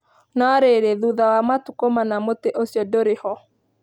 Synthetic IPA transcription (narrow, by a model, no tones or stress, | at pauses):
nɔɾeɾeðuðawamatukomanamoteʔosjɔdoɾehɔ